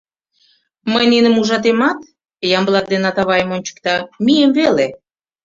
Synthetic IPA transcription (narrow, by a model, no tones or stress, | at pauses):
məjnenə̆muʒɑt̪̬emɑt̪ | jɑmblˠɑk̪̚d̪enɑt̪ɑβɑjəmonʲt͡ɕə̥kt̪ɑmijəmvele